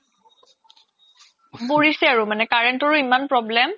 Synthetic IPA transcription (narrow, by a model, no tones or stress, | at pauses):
boɹisɛaɹumanɛkaɹentɔɹuimanpɹɔblɛm